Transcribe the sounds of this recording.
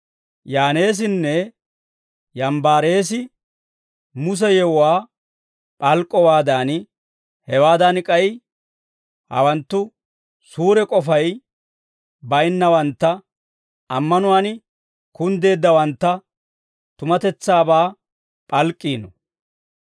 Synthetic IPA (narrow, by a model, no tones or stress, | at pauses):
jaːne̞ːs̬ɪnːɛ | jɐmbaːɾe̞ːs̬ɪ | mʊs̬ɛjɛwʊwaː | pʼɐlkʼːɔwaːd̪aːn | hɛwaːd̪ɐnkʼɐj | hɐ̰wɐnt̪ːʊ | suːɾɛkʼɔfɐj | bɐjnːɐwɐnt̪ːɐ | ɐmːɐnʊwaːn | kʊnd̪e̞ːd̪ːɐwɐnt̪ːɐ | t̪ʊmɐt̪ɛt͡sːaːbaː | pʼɐlkʼːiːnɔ